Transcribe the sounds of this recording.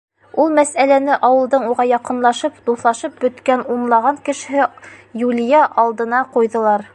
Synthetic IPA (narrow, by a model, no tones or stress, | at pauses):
ulˠmæsælænɘʔɑwɤ̆lˠd̪ɤɴuʁɑjɑqɤ̆nlˠɑʃɤpd̪uθlˠɑʃɤp̚bɵ̆t̪kænunlˠɑʁɑŋkɘ̆ʃɘ̆ɦɘjulʲijæʔɑlˠd̪ɤ̆nɑqujðɤ̆lˠɑɾ